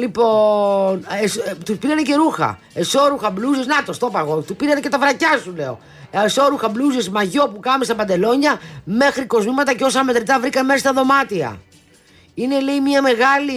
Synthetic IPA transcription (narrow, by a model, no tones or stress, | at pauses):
lipo̞nest̪uspiɾɐnece̞ɾuxɐ̰ | eso̞ɾuxɐbluziznɐt̪ost̪o̞pɐɣo̞t̪upiɾɐnece̞t̪ɐvɾɐcɐsule̞o̞̰ | eso̞ɾuxɐbluzizmɐʝo̞pukɐumest̪ɐpɐnd̪e̞lo̞ɲɐme̞xɾiko̞zmimɐt̪ɐceo̞sɐme̞t̪ɾit̪ɐvɾikɐnemesɐst̪ɐðo̞mɐt̪iɐ̰ | ine̞leimiɐme̞ɣɐli